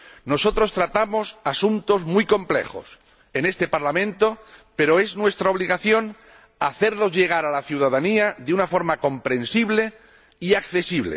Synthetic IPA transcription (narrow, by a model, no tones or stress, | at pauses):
no̞so̞t̪ɾo̞st̪ɾat̪amo̞sasunt̪o̞zmujko̞mple̞̰xo̞̰s | e̞ne̞st̪e̞paɾlamẽnt̪o̞pe̞ɾoe̞znwe̞st̪ɾao̞β̞liɣaθjo̞n | aθe̞ɾlo̞zʝe̞ɣ̞aɾalaθjuðaðaniaðeunafo̞ɾmako̞mpɾẽ̞nsiβle̞ | iakθe̞siβlḛ